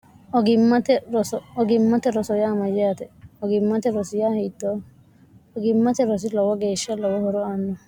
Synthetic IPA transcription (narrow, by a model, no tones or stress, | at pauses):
ɔɡɪmːɐt̪ɛɾɔsɔɔɡɪmːɐt̪ɛɾɔsɔjaːmɐjɛjɐt̪ɛɔɡɪmːɐt̪ɛɾɔsɪjahit̪ːɔ | ɔɡɪmːɐt̪ɛɾɔs̬ɪlɔwɔɡeːʃːɐlɔwɔhɔɾɔaːnːɔ